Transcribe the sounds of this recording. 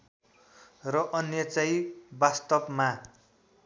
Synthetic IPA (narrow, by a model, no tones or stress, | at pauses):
rʌʔʌnjʌt͡sʌjbast̪ʌbma